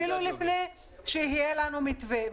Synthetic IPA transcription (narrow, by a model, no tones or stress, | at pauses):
ilulifnej | ʃeiɦijelanumit̪ve